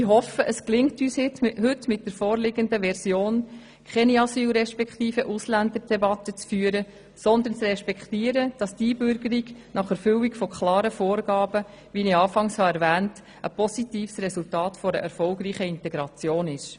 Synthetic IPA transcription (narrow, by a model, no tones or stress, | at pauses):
iɦɔfəʔəsklɪŋtyːshɪtɦʏtmɪt̚d̥əɾfoːɾlɪɡəndəʋɛɾsjoːn | kʰɛniɑsyːlɾɛʃpɛkχtiːfəʔuslænd̪əɾd̥ɛbɑt̪ːət͡sfyːəɾə | sɔnd̪ənt͡srɛʃpɛktiːəɾəd̥ɑstiːbʏɾɡəɾiɡnɑχɛɾfʏliɡfɔkʰlɑːɾəfoːɾɡ̥ɑːb̥ə | ʋiniɑːfɑŋshɑɛɾvæːnt | ʔəpɔsitiːfsrɛsultɑːtfɔɾə̰ʔɛɾfɔlɡɾiːχəɪntɛɡ̥ɾɑt͡sjoːnɪʃ